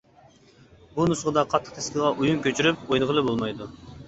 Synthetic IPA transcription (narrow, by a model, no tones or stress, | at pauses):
bunusʁəd̪ɑqʰɑt̪ʰːə̥qt̪ʰe̥skʲɪʁɑʔujunkʲøt͡ʃʰyɾyp̚ojnɨʁəlˠɨbolˠmɑjd̪u